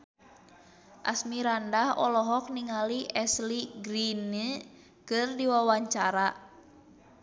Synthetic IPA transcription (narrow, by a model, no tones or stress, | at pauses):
ʔa̰smiɾandahɔ̰lɔɦɔk̚niŋaliʔɛsliɡɾinə | kɨrdiwawaɲt͡ʃaɾa